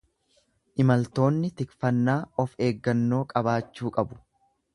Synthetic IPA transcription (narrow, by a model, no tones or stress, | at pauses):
ʔɪmɐlt̪o̞ːnːɪt̪ɪkfɐnːaːɔfe̞ːɡːɐnːo̞ːkʼɐbaːt͡ʃːuːkʼɐbʊ̥